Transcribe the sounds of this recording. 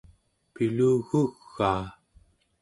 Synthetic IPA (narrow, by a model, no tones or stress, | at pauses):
piluːɣuɣːaː